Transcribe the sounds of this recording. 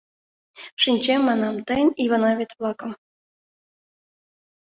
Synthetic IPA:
ʂinʲt͡ɕemːɑnɑmt̪ə̆nʲiβɑnɑβʲet̪ʲβlˠɑkɤ̆m

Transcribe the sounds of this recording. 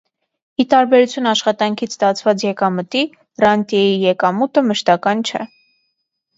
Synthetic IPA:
it̪ɑɾbɛɾut͡sʰjunɑʃχɑt̪ɑŋkʰit͡sʰst̪ɑt͡sʰvɑt͡sjɛkɑmət̪i | rɑnt̪jɛjijɛkɑmut̪əməʃt̪ɑkɑnt͡ʃʰɛ

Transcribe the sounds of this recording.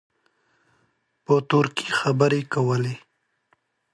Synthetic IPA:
pət̪ʊɾkixabəɾekawəle

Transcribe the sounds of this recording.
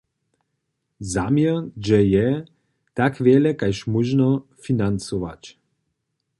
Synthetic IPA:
zamjɛnd͡ʒɛjɛ | t̪akʋjɛlɛkajʃmuʒnɔfinant͡suʋat͡ɕ

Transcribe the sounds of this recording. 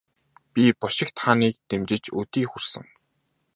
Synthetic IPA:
pʲipɔʃɪ̆kt̪χaniːk̚t̪emt͡ɕɪ̆t͡ɕɵt̪iːxur̥sə̆ŋ

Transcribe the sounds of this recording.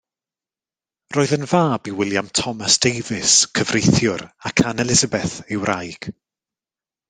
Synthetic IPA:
roːðənvaːbiwɪlˠjamtʰɔmasd̥ejvɪskʰəvrejθjʊɾakʰanɛlɪzabɛθɪwrajɡ̥

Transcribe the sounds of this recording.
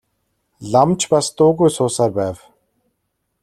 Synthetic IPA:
ɮamt͡ɕpast̪ʊːɣujsʊːsaːrpæːw

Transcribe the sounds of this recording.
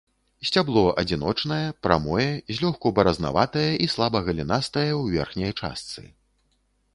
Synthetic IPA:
sʲt͡sʲablˠɔʔɐd͡zʲinɔt͡ʂnɐjɐpɾa̰mɔjɛzʲlʲɔxkɔbɐɾɐzna̰vat̪ɐjɐʔislˠabɐɣɐlʲinast̪ɐjɐwvʲɛrxnʲɐjt͡ʂa̰st̪sɨ̰

